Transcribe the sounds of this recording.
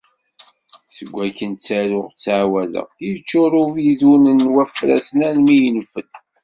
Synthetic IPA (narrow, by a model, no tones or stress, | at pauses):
səɡʷːækənt͡sːæɾʊʁt͡sːʕwælə̰ʁit͡ʃːʊɾˤʊviðunənːwæfɾæ̰sənænmijənfən